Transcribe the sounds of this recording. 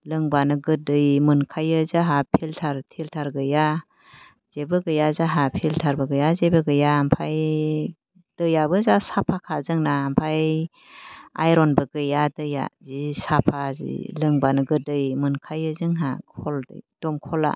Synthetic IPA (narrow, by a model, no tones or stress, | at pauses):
lɯŋbanɯɡɯdɯjmɯnkʰajɯzaɦapʰiltʰaɾtʰiltʰaɾɡɯja | z̥ebɯɡɯjazaɦapʰiltʰaɾbɯɡɯjazebɯɡɯjaːmpʰaj | d̥ɯjabɯzasapʰakʰazɯŋnaːmpʰaj | a̰jɾɔnbɯɡɯjadɯja̰zisapʰazḭlɯŋbanɯɡɯdɯjmɯnkʰajɯzɯŋɦakʰɔldɯ̰jd̥ɔmkʰɔla̰